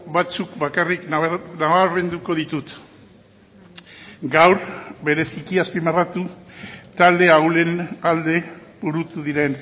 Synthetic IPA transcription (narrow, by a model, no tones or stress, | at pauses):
bat͡sukbakariknnaβaɾβe̞nd̪uko̞ð̞it̪ut̪ | ɡawɾbe̞ɾe̞sikiaspimerat̪ut̪ald̪e̞awle̞nald̪e̞buɾut̪uðiɾe̞n